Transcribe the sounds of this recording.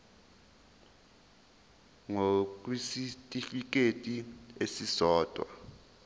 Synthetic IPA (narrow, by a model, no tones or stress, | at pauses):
ŋok̬ʼwisitʼifik̬ʼetʼiesisɔːtʼwa̰